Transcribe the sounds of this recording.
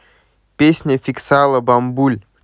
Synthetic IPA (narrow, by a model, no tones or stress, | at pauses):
pʲesʲnʲəfʲɪksalˠəbɐmbulʲ